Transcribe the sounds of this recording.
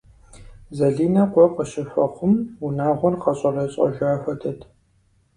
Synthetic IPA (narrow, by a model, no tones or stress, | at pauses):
zɐɮiːnɐqʷɔqəɕɪfɐqʷʊmunaːʁʷɔrqɐɕʼɐrɐɕʼɐ̰ʒaːfɐtʰɐtʰ